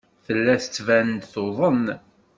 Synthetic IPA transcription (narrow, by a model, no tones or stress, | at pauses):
θəlːæθət͡sːvænəd̪θoðˤən